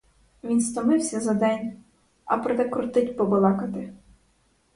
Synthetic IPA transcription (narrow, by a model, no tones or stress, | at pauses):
ʋʲinst̪ɔmɪwsʲɐzɐd̪ɛnʲ | ɐpɾɔd̪ɛkɾʊt̪ɪtʲpɔbɔlˠɑkɐt̪ɪ